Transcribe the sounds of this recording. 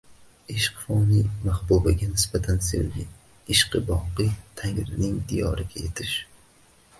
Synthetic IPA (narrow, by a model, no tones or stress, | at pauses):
eʃqfɒnimahbubaɡʲanɪsbat̪ʰansḛwɡʲɪ̰ | ɪʃqɨbɒqɨt̪ʰaŋɾɪnɪŋd̪ijɒ̰ɾɪɡʲaje̞t̪ʰɪʃ